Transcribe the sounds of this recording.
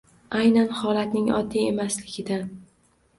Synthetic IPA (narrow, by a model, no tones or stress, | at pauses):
ajnanhɒlˠat̪nɪŋɒ̰d̪ːije̞maslɪɡʲɪd̪a